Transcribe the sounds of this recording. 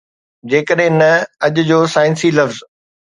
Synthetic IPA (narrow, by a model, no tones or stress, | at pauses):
d͡ʑeːkəɗɦɪ̃nɐɐʄd͡ʑoːsaːɪnsilɐʋz